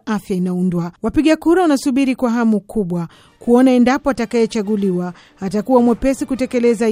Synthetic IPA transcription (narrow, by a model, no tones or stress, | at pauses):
afjainaundwawapiɠakuɾawanasuɓiɾikwaɦamukʰuɓwa | kuɔnaɛndapɔatakajɛt͡ʃaɠuliwaː | takuwamwɛpɛsikutɛkɛlɛza